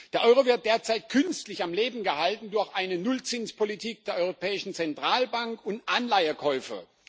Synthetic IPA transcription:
d̥eːɐʔɔʏʁovɪɐt̚d̥eːɐt͡saɪt̚kʰʏnstlɪçamleːbm̩ɡəhaltn̩dʊɐçʔaɪnənʊlt͡sɪnspʰolitʰiːk̚d̥eːɐɔʏʁopʰɛːɪʃn̩t͡sɛntʁ̥aːlbaŋkʊntʔanlaɪəkʰɔʏfə̰

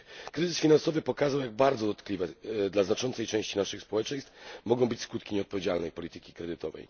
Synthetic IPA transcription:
kɾɘzɘsfʲinansɔvɘpɔkazawjaɡ̚baɾd̪zɔd̪ɔt̪klʲivɛd̪laznat͡ʂɔnt̪sɛjt͡ʂɛ̃w̃ɕt͡ɕinaʂɘxspɔwɛt͡ʂɛ̃j̃st̪fmɔɡɔ̃w̃bɘt͡ɕskut̪kʲiɲɛɔt̪pɔvʲjed͡ʑalnɛjpɔlʲit̪ɘkʲi̥kɾɛd̪ɘt̪ɔvɛ̰j

